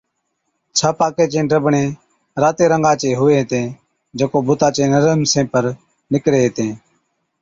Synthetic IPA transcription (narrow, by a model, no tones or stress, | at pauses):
t͡ʃʰaːpaːkeːt͡ʃẽːɖɾəbɳẽː | ɾaːt̪eːɾəŋɡãːt͡ʃeːɦʊʋeːɦt̪ẽː | d͡ʒəkoːbʊt̪aːt͡ʃeːnəɾəmsẽːpəɾ | nɪkɾeːɦt̪ẽː